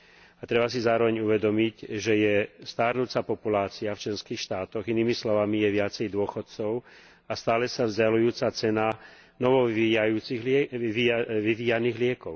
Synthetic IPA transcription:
at̪ɾɛbas̬izaːɾɔʋɛɲuʋɛd̪ɔmicʒɛjɛst̪aːɾnut͡sapɔpulaːt͡siaft͡ʃlɛnskiːxʃt̪aːt̪ɔɣiniːmislɔʋamijɛʋɪat͡sɛjd̪ʊɔxɔt̪̚t͡sɔʊ | ast̪aːlɛsavzɟalujuːt͡sat͡sɛna | nɔʋɔajuːt͡siɣiiʋiʋiːjaniːɣlɪɛkɔʊ

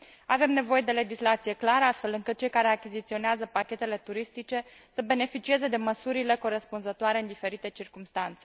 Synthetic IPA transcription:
ave̞mne̞vo̞je̞d̪e̞le̞d͡ʒislat̪sije̞klaɾəast̪fe̞lɨŋkɨt̪̚t͡ʃe̞jkaɾe̞akʲizit̪sio̞neazəpakʲe̞t̪e̞le̞t̪uɾist̪it͡ʃe̞ | səbe̞ne̞fit͡ʃie̞ze̞d̪e̞məsuɾile̞ko̞ɾespunzət̪oaɾe̞ɨnd̪ife̞ɾit̪e̞t͡ʃirkumst̪ant̪se̞

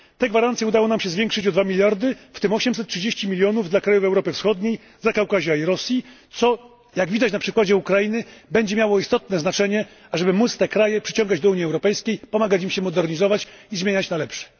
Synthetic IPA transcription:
t̪ɛɡvaɾant̪sʲjɛud̪awɔnamɕɛzvʲjɛŋkʂɘt͡ɕɔd̪vamʲilʲjaɾd̪ɘft̪ɘmɔɕɛms̬ɛt̪̚tːʂɘd͡ʑeɕt͡ɕimʲilʲjɔnuvd̪lakɾajuvɛwɾɔpɘfsxɔd̪ɲej | zakawkaʑaiɾɔsʲjit̪sɔ | jaɡvʲid̪at͡ɕnapʂɘkwad͡ʑɛukɾajinɘbɛɲd͡ʑɛmʲjawɔist̪ɔt̪nɛznat͡ʂɛɲɛ | aʐɛbɘmut̪st̪ɛkɾajɛpʂɘt͡ɕɔ̃ŋɡad͡ʑd̪ɔuɲiɛwɾɔpɛjskʲejpɔmaɡat͡ɕimɕɛmɔd̪ɛɾɲizɔvat͡ɕizmʲeɲat͡ɕnalɛpʂɛ̥

